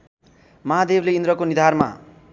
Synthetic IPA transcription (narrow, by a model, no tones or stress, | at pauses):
mʌɦad̪ebleind̪ɾʌkonid̪ʱarma̰